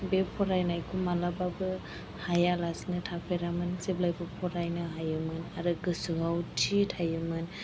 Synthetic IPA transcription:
bepʰɔɾajnajkʰumalababɯ | hajalasnɯtʰapʰeɾamɯnseblajbɯpʰɔɾajnɯɦajɯmɯnaɾɯɡɯsuɦawtʰitʰajɯmɯn

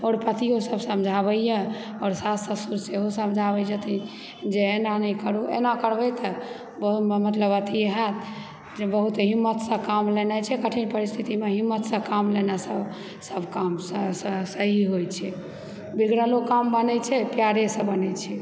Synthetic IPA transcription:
ɔːɾpət̪ijosəbsəmd͡ʒʱaβəjjɛ | ɔːɾsasəsuɾseɦosəmd͡ʒʱabəd͡ʒət̪i | d͡ʒeːnanəjkəɾuḛnakəɾbɛjt̪ə | bəɦummət̪ləbət̪ʰieɦat̪ | d͡ʒebəɦut̪ɦimːət̪sə̃kamlenat͡ʃʰɛkəʈʰinpəɾist̪ʰit̪imeɦimːət̪sə̃kamlenasəb | səbʱkamssəɦiɦojt͡ʃʰɛ | biɡɾəlokambənɛt͡ʃʰɛpjaɾesə̃bənɛt͡ʃʰɛ

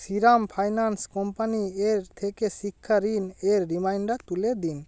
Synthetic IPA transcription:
siɾampʰajnanskɔmpanieɾt̪ʰekesikʰːaɾineɾːimajɳɖat̪uled̪in

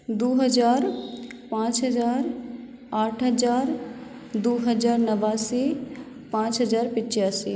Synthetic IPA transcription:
d̪uːɦəd͡ʒaːɾpãːt͡ʃɦɐd͡ʒaːɾ | aːʈʰɦɐd͡ʒaːɾ | d̪oːɦəd͡ʒaːɾnəʋasi | pãːt͡ʃɦɐd͡ʒaːɾpɪt͡ʃjaːsiː

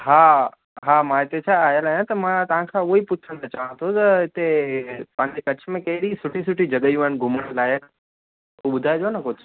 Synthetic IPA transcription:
ɦaː | ɦaːmãɪt̪et͡ɕʰaːɦijəlaːɦjãt̪ɐmãt̪ɐʋ̤ãkʰãʊɦipʊt͡ɕʰəɽ̃t̪at͡ɕaːʋə̃ñt̪ʰot̪ɐɪt̪epãɦɪ̃ɲd͡ʑekɐt͡ɕʰmẽkɐɦɪɾisʊʈʰisʊʈʰid͡ʑɐɠəijũɦaːɪnɡʱʊməɽ̃laːək | uɓʊd̪ʱaːed͡ʑonɐkʊd͡ʑʱ

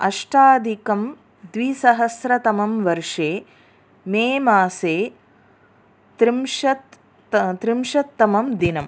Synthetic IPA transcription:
ɐ̰ʂʈaːd̪ʱikɐm | d̪ʋisɐɦɐsɾɐt̪ɐmɐmʋɐɾʂeː | meːmaːseː | t̪ɾimʃɐt̪ | t̪ɾimʃɐt̪ːɐmɐmd̪inɐm

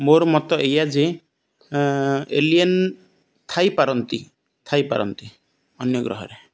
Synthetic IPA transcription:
moɾmɔt̪ɔʔejad͡ʒe | elien | t̪ʰajpaɾɔnt̪i | t̪ʰajpa̰ɾɔ̰nt̪i | ɔnjɔɡɾɔ̰ɦɔ̰ɾe

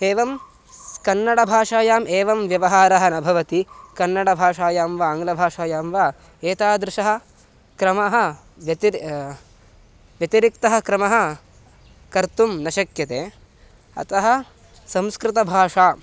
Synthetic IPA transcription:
eːʋɐm | kɐnːɐɽɐbʱaːʂaːjaːmʔeːʋɐmʋjɐʋɐɦaːɾɐɦɐnɐbʱɐʋɐt̪ikɐnːɐɽɐbʱaːʂaːjaːmʋaaːŋɡlɐbʱaːʂaːjaːmʋaː | eːt̪aːd̪ɾɪʃɐɦɐ̆ | kɾɐmɐɦɐ̆ | ʋɐt̪i | ʋjɐt̪iɾik̚t̪ɐɦɐ̆kɾɐmɐɦɐ̆ | kɐɾt̪umnɐʃɐkjɐt̪eː | ɐ̰t̪ɐɦɐ̆ | sɐ̃mskɾɪt̪ɐbʱaːʂaː

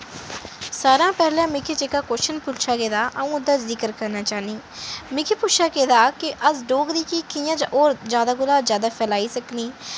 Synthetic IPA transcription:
saːɾãːpɛːlɛ̃ːmɪkʰeːt͡ʃekaːkoːʃənpʊlt͡ʃaːkeːd̪aːʔəũːʊd̪aːzɪkəɾkəɾnaːt͡ʃaːniː | mɪkʰeːpʊʃʰaːkeːd̪aːkɪʔəsɖoːɡd̪iːkikɪjãːd͡ʒãːʔoːɾd͡ʒjaːd̪aːɡʊlaːzjaːd̪aːpʰɛːlaːiːsəkniː

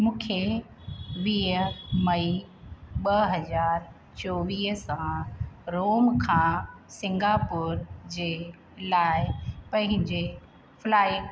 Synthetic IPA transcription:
mũːkʰe | ʋiːɦəmɐi | ɓɐɦɐzaːɾ | t͡ɕoʋiːɦəsãɾoːmkʰãːsɪ̃ŋɡaːpʊːɾd͡ʑeː | laːɪpɐ̃ɦɪ̃ɲd͡ʑe | flaːɪk

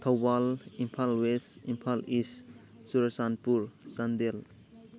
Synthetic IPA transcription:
t̪ʰawbalimpʰalwesimpʰalis | suɾasanpuɾsand̪el

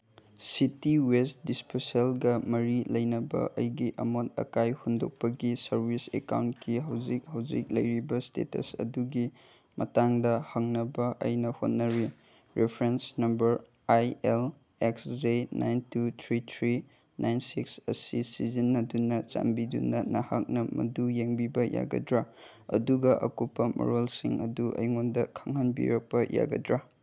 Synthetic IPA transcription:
sitiwestdispeselɡɐmɐɾilɐjnɐbɐ̰ʔɐ̰jɡiʔɐ̰motɐ̰kajhundok̚pɐɡisɐɾbʱisḛka̰wntkiɦɐwd͡ʒik̚hɐwd͡ʒik̚lɐjɾibɐstḛtɐ̰sɐ̰duɡi | mʔɐ̰taŋdɐhɐŋnɐbɐʔɐ̰jnɐhot̚nɐɾi | ɾʔepʰɾensnɐmbɐɾ | ajel | eksd͡ʒenʔajntutʰɾitʰɾi | nʔajnsiksɐsisizinːɐdunɐt͡ʃa̰mbidṵnɐnɐhak̚nɐmɐ̰dujeŋbibɐja̰ɡɐ̰dɾa | ɐ̰duɡɐʔɐ̰kupːɐmʔo̰ɾolsiŋɐ̰duʔɐ̰jŋondɐkʰɐŋɦɐnbḭɾɐk̚pɐja̰ɡɐ̰dɾa

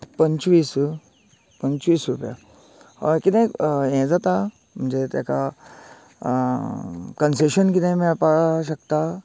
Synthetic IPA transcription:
pɐɲt͡ʃʋiːs | pəɲt͡ʃʋiːsɾupja̰ | ɔɾkit̪ẽẽd͡zat̪a | mud͡ʒet̪ḛka | kənseʃənkit̪ẽmepaʃ̬ɐkt̪a

